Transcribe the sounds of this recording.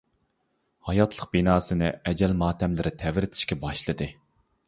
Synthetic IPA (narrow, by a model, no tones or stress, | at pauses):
hɑjɑt̪ʰlˠəq̚binɑːsɨnɪ̰ɛd͡ʒɛlmɑːt̪ʰɛmlɪɾɪt̪ʰɛvɾɪt̪ʰɪ̥ʃkʲɛbɑʃlˠɨd̪ɨ